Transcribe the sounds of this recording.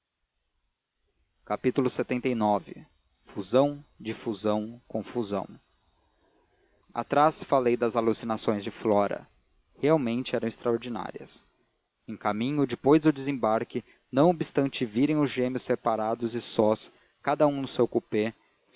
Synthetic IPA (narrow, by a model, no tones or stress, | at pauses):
kapit̪ulʊset̪ẽnt̪ejnɔvɪ̰ | fuzɐ̃w̃d͡ʒɪfuzɐ̃w̃kõfuzɐ̰̃w̃ | a̰t̪ɾasfalejd̪ɐzalusinasõj̃zd͡ʒɪflɔɾɐ̰ | heawmẽnt͡ʃɪɛɾɐ̃w̃ɪst̪ɾɐoɾd͡ʒina̰ɾiɐ̰s | ẽkamĩɲʊd͡ʒɪpojzd̪ʊd͡ʒ̪ɪzẽbaɾkɪ | nɐ̃w̃obist̪ɐ̃nt͡ʃɪviɾẽj̃ʊzʒẽmɪʊsepaɾad̪ʊzɪsɔs | kad̪ɐũnʊsewkupe